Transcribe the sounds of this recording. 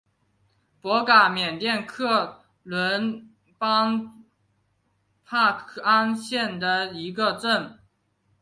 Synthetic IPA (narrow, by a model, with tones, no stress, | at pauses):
pwɔ˧˥ka˨˩mjɛ˨˩nt̪jɛ˥˧nkʰɤ˥˩ | lwə˧˥n | pɑ˥ŋ | pʰa˥˩˥a˥nɕjɛ˥˩nd̪ə˩i˧˥ɡə˧ʈ͡ʂə˥˩n